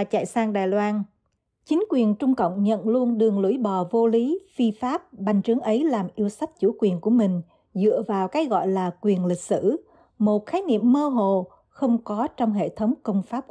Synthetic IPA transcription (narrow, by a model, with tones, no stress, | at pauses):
a˨˩t͡ɕa̰ː˧˨jsaː˧ŋɗaː˨˩jlwaː˧n | t͡ɕï˨˦ŋ̟kwi˨˩ənt͡ɕʊ˧ŋ͡mkə̰˧˨wŋ͡mɲə̰˧˨nlu˧ənɗɨ˨˩əŋlṵ˧˩jɓɔ˨˩vo˧li˨˦fi˧faː˦˥p̚ɓa˨˩jŋ̟t͡ɕɨ˨˦əŋʔə˨˦jlaː˨˩mʔi˧əwsa˦˥t̚t͡ɕṵ˧˩kwi˨˩ənku˧˩əmï˨˩ŋ̟ | zɨ̰˧˨əvaː˨˩wkaː˨˦jɣɔ̰˧˨jlaː˨˩kwi˨˩ənlï˨˩k̟̚sɨ˧˥ | mo˨˩t̚xaː˨˦jnḭ˧˨əmːəː˧ɦo̰˧˨ | xə˧wŋ͡mkɔ˨˦t͡ɕɔ˧wŋ͡mɦḛ˧˨t̪ʰə˨˦wŋ͡mkə˧wŋ͡mfaː˦˥p̚